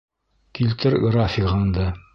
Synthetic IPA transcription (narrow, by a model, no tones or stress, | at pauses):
kilt̪ɘɾɡrafʲikɑnd̪ɤ